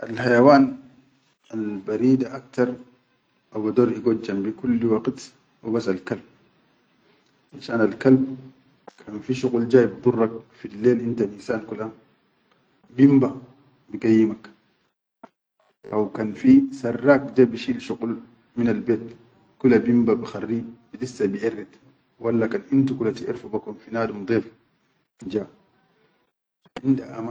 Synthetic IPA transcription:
ʔalhajawaːn | albaɾiːd̪aʔak̚t̪ɑɾˤ | ʔawad̪oːɾʔiɡod͡ʒːambikulːwaqt̪ | wibasalkalb̚ | ʔaʃaːnalkalb̚ | kʰanfiʃuqld͡ʒaːjibdurˤːɑk̚filːeːlʔint̪alinsaːnkula | bimba | biɡajːimak | ʔawkanfisarːaːkd͡ʒabiʃiːlʃuqul | minalbeːt̪ | kulabimbabixarːibinisːabiʔerːit̪ | walːakanʔint̪ukulatiʔḭɾfubakumfinaːdumd̪ˤeːf | d͡ʒaː | ʔindaʔa̰ma

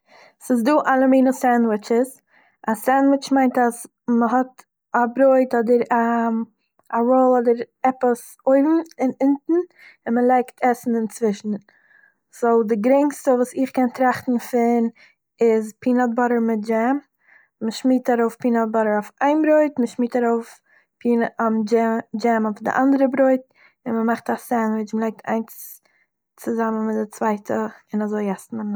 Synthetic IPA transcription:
sɪzduːʔalˠəmiːnəsɛndwɪt͡ʃɪs | asɛndwɪt͡ʃmaɪntas | məɦɔt | abɾoɪtɔdəɾa | avolˠɔdəɾ | ɛpəs | oɪbm̩ɪnɪntn̩ | ɪnməlˠaɪktʰɛsn̩ɪnt͡svɪʃn̩ | z̥olˠdɪɡɾɛŋstəvuːsɪχkɛntɾaχtn̩fɪn | ɪzpʰiːnat̚bɔɾəɾmɪt̚d͡ʒɛm | məʃmiːtaɾoʊfpiːnalˠt̚bɔɾəɾofaɪnbɾoɪtməʃmiːtaɾoʊf | pʰiːnamd͡ʒɛd͡ʒɛmɔfdɪ̰ʔandəɾəbɾoɪt̚ | ɪnməmaχtasɛnvɪt͡ʃməlaɪk̚tʰa̰ɪns | t͡sɪzamənmɪtdɪt͡svaɪtʰəɪnazoɪɛsn̩ɪn

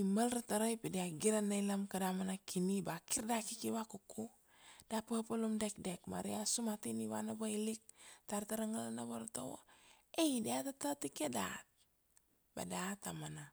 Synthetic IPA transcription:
imalɾataɾojpidiaɡiɾanailamkadamanakʰinibakiɾdakikiwakukʰu | d̥apəpolumdɛk̚dek̚ma̰ɾijasumatiniwa̰nabailik̚taɾtaɾaŋalanaboɾtowo̰ | eidiatatatikeda̰t̚ | ba̰datamana

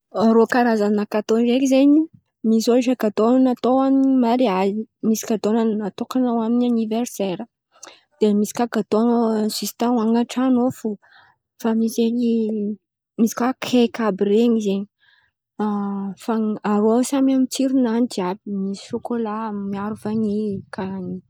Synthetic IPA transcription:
ɾokaɾazanakat̪onɾekizeɲi | misoiʈ͡ʂakat̪onnat̪owaminimaɾiazimisi̥kad̪onannat̪okanawaminianiverseɾə | d̪̥emisi̥kaɡat̪osist̪ãaŋaʈ͡ʂanofu | famizeɲi | misi̥kwakʰekabiɾeɲizeɲi | afaaɾoasamamit͡siɾunanitiabimisi̥ʃukolammiaɾufanikʰani

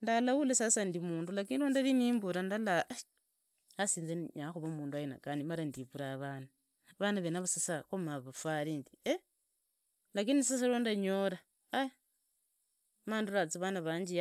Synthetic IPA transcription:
ndalawulesasandimuːndulakiːniɾondaliniːmbuɾandala | asiːnzeɲaxuβomuːnduajena̰kanimaɾandiβuɾaβana | βanaβenaβasasaxomaβafaɾindie | lakinisas̬aondaɲoɾa | aj | maːnduɾat͡siβanaβaːɲd͡ʒi

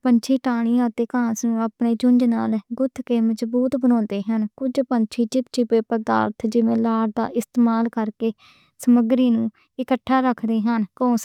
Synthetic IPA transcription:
pəɲt͡ʃʰiːʈaːɽ̃iːãːət̪eːkãːsnũːəpneːd͡ʒʊɲd͡ʒnaːlɡʊt̪ʰːkeːməd͡ʒbuːt̪bənɔ̃ːnd̪eːɦənkʊd͡ʒpəɲt͡ʃʰiːt͡ʃɪt̪̚t͡ʃɪpeːpəd̪a̰ːɾt̪ʰd͡ʒɪʋẽːlaːɾd̪a̰ːʔɪst̪eːmaːlkəɾkeː | səməɡɾiːnũː | ɪkəʈʰːaːɾəkʰd̪eːɦənkõːs

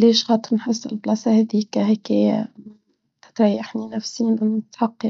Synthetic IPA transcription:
leːʃxɑːt̪ˤɨɾnħɪsːɪ̰lblɑsaheðiːkaɦeːke | t̪ɪ̥t̪ɾˤajːaħninafsiːnʔɪnt̪ħɑqːɑ

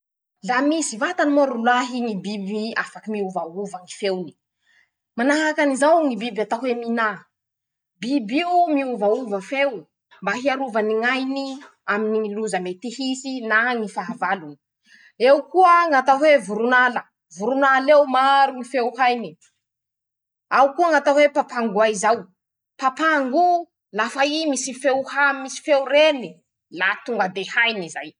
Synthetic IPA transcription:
lamisivat̪animoɾulaɦiŋibibiiafakimiuvauvaŋifewni̥ | manaɦakanizawŋibibat̪aɦwemina | bibimiuvauvəfew | mbaɦiaɾuvəniŋajni | aminiŋiluzəmet̪ihisinaŋifaɦavaluni̥ | ewkuəŋat̪awevuɾunalə | vuɾunalewmaɾumifewhajni | awkuaŋat̪awepapaŋɡuaizaw | papaŋɡu | lafaimisifewhamisi̥fewɾeni | lat̪uŋɡəd̪ehajnizaj

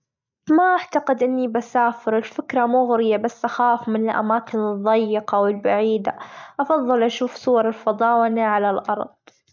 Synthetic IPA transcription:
maʔaʕt̪aqɪd̪ʔɪnːibasaːfɪɾɪlfɪkɾˤamuːɣʊɾɪjabasːʔaxaːfmɪnɪlʔa̰maːkɪnɨðˤːɑjːɪqɑwɪlbaʕiːd̪a̰ʔɑfɑðˤːɨlʔaʃuːfsˤʊwɑɾˤɪlfɑd̪ˤɑːwanaʕalalʔɑ̰ɾˤðˤ

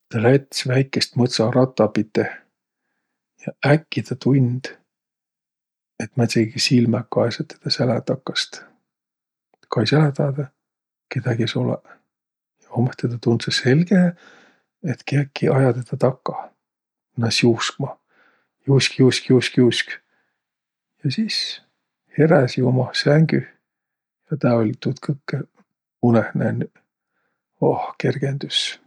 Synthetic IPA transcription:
t̪ɑlæt̪ʲːsvæjkːˑest̪mɤt̪sɑɾɑt̪ˑːɑpit̪ːe | jɑækːit̪ɑt̪unʲd̪̥ | et̪ːmɑt̪ʲeɡisilmækːɑesɑt̪ːed̪̥ɑsælæt̪ɑkːɑst̪ | kɑjsælæt̪ɑːd̪ɑ | ked̪æɡesolɛ̰ | jɑomest̪et̪ɑt̪und̪sese̞lɡ̥e | et̪keːkːiɑjɑt̪et̪ɑt̪ɑkːɑ | nɑsjuskmɑ | juskiuskiuskiusk | jɑsiːs | heɾæsiomɑsæŋɡ̥y | jɑt̪ɑolʲt̪ut̪kʰɤkːe | unehnæ̰ny | ohke̞rɡ̥end̪̥ys

